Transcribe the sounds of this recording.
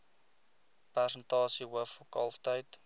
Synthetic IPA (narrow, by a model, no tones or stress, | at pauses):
pærsəntɑːsiɦəfokɐ̰lˠftəjt